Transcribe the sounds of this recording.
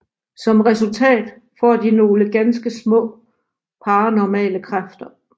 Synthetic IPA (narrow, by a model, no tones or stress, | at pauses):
sɒ̽mʁɛsult͡sʰɛ̰ːd̥ | fɒ̰ːd̥ino̝ːləɡ̥ænsɡ̥əsmɔ̰̽ː | pʰɑ̈ːnɒmɛ̰ːləkʰʁafd̥ɐ